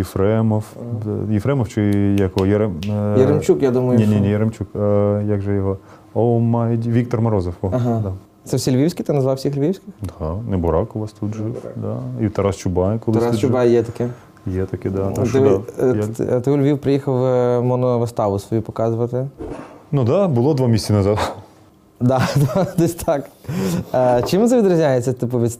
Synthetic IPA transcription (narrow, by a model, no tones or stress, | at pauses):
jɪfɾɛmɔw̪̰jɪfɾɛmɔwt͡ʃɔjakɔɔjɐɾɛjɐɾemt͡ʃukjad̪umɐjʊnʲinʲinʲijɐɾemt͡ʃukjaɡʒɛjɔɦɔ | oɔmɑjɛdʲʋʲik̚t̪ɔrmɐɾɔzɔwɔɐɦad̪a | t̪sɛwsʲilʲʋʲiwsʲkʲit̪ɪnɐzʋɑwsʲixlʲʋʲiwsʲkʲɪxd̪anɛbʊɾɑkʊʋɑst̪ut̪ʒɪwd̪ait̪ɐɾɑst͡ʃʊbɑjkɔlˠɪɐɾat͡ʃʊbajjɛt̪ɐkɛ | jɛt̪ɐkɛd̪at̪ɪ̰ | t̪ɪʊlʲʋʲiwpɾɪjixɐwmɔnnɔʋɐst̪ɑʋʊsʋɔjupɔkɑzʊʋɐt̪ɪnud̪abʊlˠɔd̪ʋamʲisʲt̪ʲt͡sʲinɐzɑt̪ | d̪ɑd̪d̪ɛsʲt̪ʰɑkː | t͡ʃɪmzɐʋʲid̪ɾɐzʲnʲajet͡sʲːɐt̪ɪpʊʋʲis